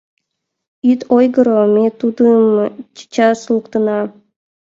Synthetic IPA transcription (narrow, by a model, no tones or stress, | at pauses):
yt̪ʰojɡə̆ɾomʲet̪ud̪əmt͡ɕt͡ɕɑslˠukt̪ənɑ